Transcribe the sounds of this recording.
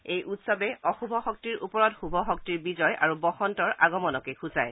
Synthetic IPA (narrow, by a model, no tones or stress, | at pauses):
ejʔutsɔbɛɔxubʱɔxɔk̚tiɹʔupɔɹɔtxubʱɔxɔk̚tiɹbizɔjʔa̰ɹubɔxɔntɔɹʔaɡɔmɔnɔkexʰuza̰j